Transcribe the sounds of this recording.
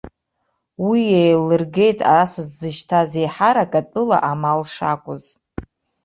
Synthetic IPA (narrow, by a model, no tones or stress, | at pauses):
wijejlɨrɡe̞jtʼa̰asɨzd͡zɨʃtʰazejħaɾakʼat͡pʼɨla̰ʔamalʂa̰kʷʼʊz